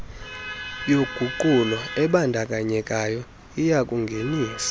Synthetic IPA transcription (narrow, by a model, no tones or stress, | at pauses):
joɡ̥ʱuǃʼulɔɛɓandʱakʼaɲɛkʼajɔ | ijakʼuŋɡʱeniːsḁ